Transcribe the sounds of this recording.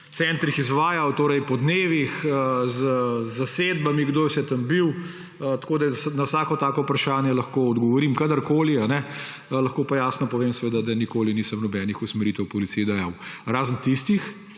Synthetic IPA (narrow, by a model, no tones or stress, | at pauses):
tsɛnt̪ɾixizʋaːjawt̪oːɾɛjpɔd̪neːʋixəzzaseːd̪bamiɡd̪oːjsɛt̪ambiw | ət̪koːd̪ajɛsnawsaːkɔt̪aːkɔupɾaʃaːnjɛlɐxkoːɔd̪ɡɔʋɔɾiːmkad̪ɐɾkoːlianɛ | lɐxkoːpajaːsnɔpɔʋemsɛʋeːd̪ad̪ɐnikoːliniːsəmnɔbɛːnixusmɛɾiːt̪ɛwpɔlit̪sijd̪ajawɾaːzənt̪ist̪ix